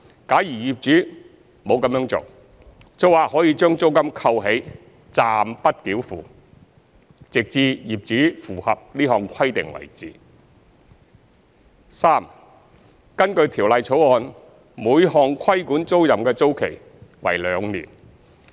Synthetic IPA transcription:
kaː˨˥jiː˨˩jiː˨p̚t͡ʃyː˨˥ | mo˨˧wkɐ˨˥mjœː˧˥ŋt͡so̰˨w | t͡so˨˥waː˨hɔː˨˥jiː˧t͡ʃœː˥ŋt͡so˥wkɐ˥mkʰɐ˧wɦe˨˥j | t͡saː˨˧mpɐ˥t̚kiː˨˥wfuː˨ | t͡sɪ˨k̚t͡siː˧jiː˨p̚t͡ʃyː˨˥fuː˨˩hɐ˨p̚liː˥hɔː˨˩ŋkʷʰɐ˥jt̪ɪ̰˨˩ŋwɐ̰˨˩jt͡siː˨ | saː˥m | kɐ˥nkɵ˧ɥt̪ʰiː˨˩wlɐ˨˧jt͡sʰo˨˥wɔː˧n | muː˨˧jhɔː˧ŋkʰɐ˥jkuː˨˥nt͡so˥wjɐ˨˩mkɛː˧t͡so˥wkʰe˨˩j | wɐ̰˨˩jlœː˨˧˥ŋnḭː˨˩n

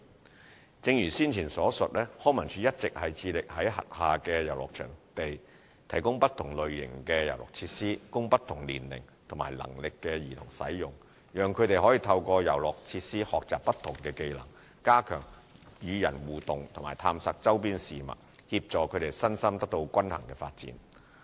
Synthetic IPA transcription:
t͡sɪ˨˧ŋjyː˨˩siː˥nt͡sʰiː˨˩nsɔː˨˥sɵ˨t̚lɛː˥hɔː˥mɐ˨˩nt͡ʃʰyː˨˧˥jɐ˥t̚t͡sɪ˨k̚hɐ˨jt͡sʰiː˧lɪ˨k̚hɐ˨˥jɦɐ̰˨t̚haː˨kɛː˧jɐ˨˩wlɔ̰ː˨˩k̚t͡ʃʰœ̰ː˨˩ŋt̪e˨j | t̪ʰɐ˨˩jkʊ˥ŋpɐ˥t̪ʰʊ˨˩ŋlɵ˨ɥjɪ̰˨˩ŋkɛː˧jɐ̰˨˩wlɔ̰ː˨˩k̚t͡sʰiː˧˥t̚siː˥kʊ˥ŋpɐ˥t̪ʰʊ˨˩ŋliː˨˩nlɪ˨˩ŋ | t̪ʰʊ˨˩ma̰ː˨˩jlɐ̰˨˩ŋlɪ˨kːɛː˧jiː˨˩t̪ʰʊ˨˩ŋsɐ̰˨˥jjʊ˨˩ŋ | jœː˨ŋkʰɵ˨˧ɥt̪e˨jhɔ˨˥jiː˨˧t̪ʰɐ˧wkɔː˧jɐ̰˨˩wlɔ˨k̚t͡sʰiː˧t̚siː˥hɔː˨k̚t͡saː˨pːɐ˥t̪ʰʊ˨˩ŋkɛː˧ke˧jlɐ̰˨˩ŋ | kaː˥kʰœ̰ː˨˩ŋ | jyː˨˧jɐ˨˩nwuː˨t̪ʊ˨ŋt̪ʰʊ˨˩maː˨˩jt̪ʰaː˧msaː˧k̚t͡sɐ˥wp̬iː˥nsiː˨mɐ̰˨t̚ | hiː˧p̚t͡sɔː˨kʰɵ˨˧ɥt̪e˨˩jsɐ˥nsɐ˥mt̪ɐ˥k̚t̪o˧wkʷɐ˥nhɐ̰˨˩ŋkɛː˧faː˧t̚t͡sḭː˨˥n

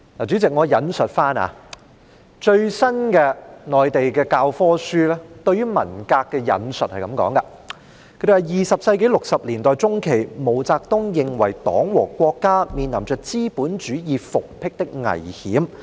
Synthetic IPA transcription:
laː˨˩t͡ʃy˨˥t͡sɪ˨k̚ŋɔː˨˧jɐ˨˥nsɵ˨t̚faː˥na̰ː˨˧ | t͡ʃɵ˧ɥsɐ˥nkɛː˧ŋɔː˨jt̪e˨jkɛː˧kaː˧wfɔː˥syː˥lɛː˥t̪ɵ˧ɥyː˥mɐ̰˨˩nkaː˧kːɛː˧jɐ̰˨˥nsɵ˨t̚hɐ˨jkɐ˨˥mkɔ̰ː˨˥ŋkɐ˧ | kʰɵ˧˥d̪e˩hɐ˨˩jjiː˨sɐ˨p̚sɐ˧jke˨˥jlʊ˨k̚sɐ˨p̚liː˨˩nt̪ɔː˨jt͡sʊ˥ŋkʰe˨˩jmo˨˩wt͡saː˧k̚t̪ʊ˥ŋjɪ˨ŋwɐ˨˩jt̪ɔ̰ː˨˥ŋwɔː˨˩kʷɔː˧kːaː˥miː˨nlɐ˨˩mt͡ʃœː˨k̚t͡siː˥puː˨˥nt͡ʃyː˨˥jiː˨˧fʊ˨k̚pʰɪ˥k̚t̪ɪ˥k̚ŋɐ̰˨˩jhiː˨˥m

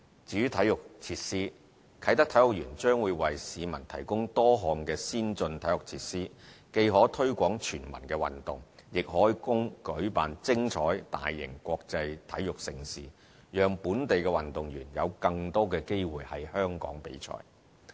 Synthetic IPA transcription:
t͡syː˨˥t̪ʰɐ˨˥jʊ˨k̚t͡sʰiː˧˥t̚siː˥ | kʰɐ˨˥jt̪ɐ˥k̚t̪ʰɐ˨˥jʊ˨k̚jyː˨˩nt͡ʃœː˥ŋwuː˨˧jwɐ˨jsiː˨˧mɐ˨˩nt̪ʰɐ˨˩jkʊ˥ŋt̪ɔː˥ɦɔː˨ŋkɛː˧siː˥nt͡sɵ˧nt̪ʰɐ˨˥jʊ˨k̚t͡sʰiː˧˥t̚siː˥ke˧jɦɔː˨˥t̪ʰɵ˥ɥkʷɔː˨˥ŋt͡ʃʰyː˨˩nmɐ̰˨˩nkɛː˧wɐ̰˨˩nt̪ʊ˨˩ŋjɪ˨k̚hɔː˨˥jkʊ˥ŋkɵ˨˥ɥpaː˨nt͡sɪ˥ŋt͡ʃʰɔː˨˥jt̪a̰ː˨jːɪ̰˨˩ŋkʷɔː˧k̚t͡sɐ˧jt̪ʰɐ̰˨˥jjʊ˨k̚sɪ˨ŋsiː˨˩ | jœː˨ŋpuː˨˥nt̪e˨jkɛː˧wɐ˨nt̪ʊ˨ŋjyː˨˩njɐ̰˨˧wkɐ˧ŋt̪ɔː˥kɛː˧ke˥jwuː˨jhɐ˨˩jhœː˥ŋkɔ̰ː˨˥ŋpḛ˨˥jt͡ʃʰɔ̰ː˥j

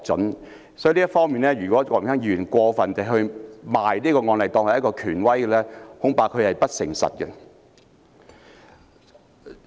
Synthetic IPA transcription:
t͡sɵ̰˨˥n | sɔː˨˦˥jliː˥tfɔː˥ŋmiː˨nlɛ˥jyː˨˩kʷɔː˨˥kɔː˧˨˩ŋʰɛː˥ŋjiː˧˨˧y˨˩nkʷɔː˧fɐ˨nt͡sɐ˨ɦɵ˧ɥmaː˨jliː˥kɔː˧ŋɔː˧nlɐ˨jt̪ɔː˧ŋhɐ˨jɐ˥tkɔː˧kʰyː˨˩nwɐ˥jkɛ˧lɛː˥hʊ˨˥ŋpaː˨˧kʰːɵ˨˧ɥhɐ˨jpɐ˥t̚sɪ˨˩ŋsɐ̰˨t̚kɛ˧

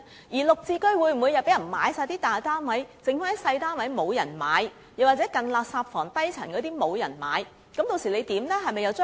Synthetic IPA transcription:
jiː˨˩lʊ˨k̚t͡siː˧kɵ˥ɥwuː˨˧jm̩˨˩u˨˧jɐ˨wpe˨˥jɐ˨˩nma̰ː˨˧˥jsaː˧jt̪iː˥t̪aː˨jt̪aː˥nwɐ˨˥jt͡sɪ˨˧ŋfaː˥˨˥sɐ˧jt̪aː˥nwɐ˨˥jmo˨˧wjɐ˨˩nmaː˨˧j | jɐ˨waː˨k̚t͡sɛː˨˥kɐ˨nlaː˨˧k̚saː˧p̚fɔː˨˩ŋt̪ɐ˥jt͡sʰɐ˨˩nkɔ˨˧t̪iː˥mo˨˧wjɐ̰˨˩nma̰ː˨˧j | kɐ˨˧˥mt̪o˧wsiː˨˩le˨˧jt̪iː˨˥mlɛː˥ɦɐ˨jmɐ˨jɐ˨˧wt͡sː

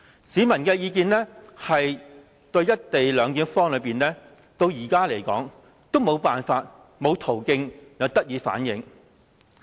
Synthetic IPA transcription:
siː˨˧˥mɐ˨˩nkɛː˧jiː˧k̬iː˧nlɛː˥hɐ˨j | t̪ɵ˧ɥjɐ˥t̚t̪e˨jlœː˨˧ŋkiː˨˥nfɔː˥ŋlɵ˨˧ɥpiː˨nɛː˥ | t̪o˧wjiː˨˩kaː˥le˨˩jkɔ̰ː˨˥ŋ | t̪o˥wmo˨˧wpaː˨nfaː˧t̚ | mo˨˧wt̪ʰo˨˩wkɪ˧ŋjɐ˨˧wt̪ɐ˥t̚jiː˨˧fa̰ː˨˥njɪ˨˥ŋ

